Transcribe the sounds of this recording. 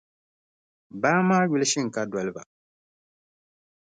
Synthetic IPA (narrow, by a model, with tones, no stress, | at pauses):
baː˦maː˦wi˦li˦ʃi˦ŋ˨ka˦da˨li˨ba̰˨